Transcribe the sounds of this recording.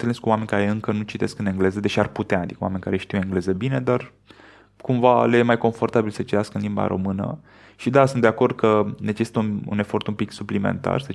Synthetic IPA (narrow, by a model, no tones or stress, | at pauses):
neleskuwame̞nʲkaɾe̞ɨŋkənut͡ʃit̪e̞skɨne̞ŋɡle̞zəd̪e̞t͡ʃiarput̪eaːd̪ikəwamenʲka̰ɾeʃt̪iweŋɡle̞zəbine̞d̪ar | kumvalejemajko̞ɱfo̞rt̪abilsət͡ʃit̪easkəɨnlimba̰ɾo̞̰mɨnə̰ | ʃid̪asunt̪d̪e̞ako̞rd̪̚kʰəne̞t͡ʃesi̥t̪əṵne̞fo̞rt̪umpiksuplimḛnt̪a̰rsə